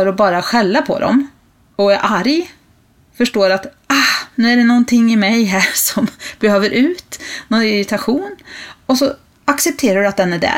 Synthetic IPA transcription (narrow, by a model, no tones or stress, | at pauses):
ɾɔbɑːɾaɧɛlːapʰɔ̰d̪ɔ̰m | ɔæɾʔaɾj | fœʂʈoːɾat̪ | ahnʉ̟ːæɖɛnɔnt̪ʰɪŋːɪmɛjɦæːʂɔmb̥ɛhøːvəɾʔʉ̟ːt̪nɔnɪɾɪt̪ʰaɧuːnɔsɔ | aksɛp̚t̪ʰeːɾaɖɵat̪̚d̪ɛnæɖæ̰